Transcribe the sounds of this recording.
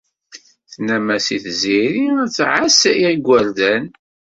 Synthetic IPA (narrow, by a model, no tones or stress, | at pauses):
θnæmæsiθziɾiæt͡sːʕasjæɡʷːæɾd̪æn